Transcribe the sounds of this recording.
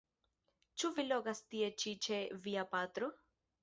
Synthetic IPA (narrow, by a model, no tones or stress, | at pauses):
t͡ʃuviloɡast̪iet͡ʃit͡ʃeviapaːt̪ɾo